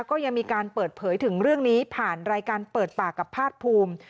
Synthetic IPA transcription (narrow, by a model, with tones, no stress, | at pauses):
wkɔː˥˩ja˧ŋmiː˧kaː˧npɤː˨˩t̪̚pʰɤː˩˦jt̪ʰɯ˩˦ŋɾɯ˥˩əŋniː˦˥pʰaː˨˩nɾaː˧jkaː˧npɤː˨˩t̪̚paː˨˩kːa˨˩pʰːaː˥˩t̪̚pʰuː˧m